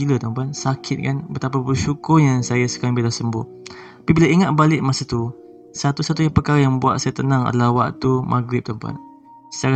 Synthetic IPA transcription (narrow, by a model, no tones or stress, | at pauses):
ilət̪əmpansakʰɪt̪̚kanbət̪ap̬abərʃukʊrjaŋsajasə̥kaɾaŋbilahsəmbʊ̰h | apibilaʔiŋat̪̚balɪʔmasat̪u | sat̪usat̪ujapərkaɾajaŋbua̰t̪̚sajat̪ənaŋa̰d̪alahwa̰ʔt̪umʔa̰ɡɾɪp̚t̪əmpa̰n | sə̥kaɾa